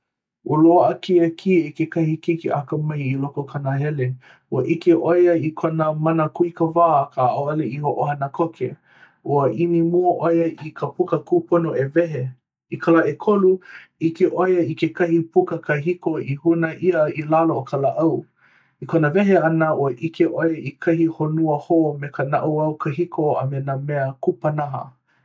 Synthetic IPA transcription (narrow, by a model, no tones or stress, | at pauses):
uloʔəkiəkʰiekekɐhikikiʔakɐmɐjilokokʰanaɦɛle | uəʔikeʔojɐikʰonəmɐnəkuikəvaːkʰaʔoaleihoʔohɐnəkʰokʰḛ | ʔuəʔinimuɐʔojɐʔikʰəpukəkuponoevɛɦe | ikʰalaʔekʰoluikeʔojəikekɐhipukəkɐɦikoihunɐʔiəilalookʰalaʔɐw | ikʰonəvɛɦeɐnəʔuəʔikʰeʔojəikʰɐhihonuəhomekənaʔuɐwkʰɐɦikʰoa̰menamɛəkupɐnaɦɐ̰